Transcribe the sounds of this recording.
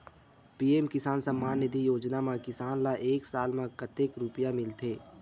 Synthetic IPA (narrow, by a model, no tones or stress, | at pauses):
piːeːmkɪsaːnsəmːaːnːɪd̪ʱijoːd͡ʒnamãkɪsaːnlaʔeːksaːlmãkət̪eːkɾʊpjamɪlt̪ʰeː